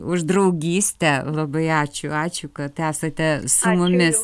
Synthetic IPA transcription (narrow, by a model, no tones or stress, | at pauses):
ʊʒd̪rɐʊɡʲiːsʲt̪ʲɛlˠɐbɐɪɑːt͡ʃʲʊɑːt͡ʃʲʊkɐt̪æːsɐt̪ʲɛsʊmʊmʲɪs